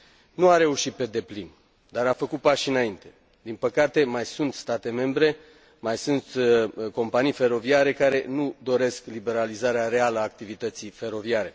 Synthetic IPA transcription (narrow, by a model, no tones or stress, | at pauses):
nuaɾe̞uʃit̪̚pe̞d̪e̞plin | d̪aɾafəkut̪̚paʃɨnaint̪e̞ | d̪inpəkat̪e̞majsunt̪st̪at̪e̞me̞mbɾe̞ | majsunt̪ko̞mpanijfe̞ɾo̞viaɾe̞kaɾe̞nud̪o̞ɾe̞sklibe̞ɾalizaɾeaɾe̞aləaːk̚t̪ivit̪ət̪sife̞ɾo̞viaɾe̞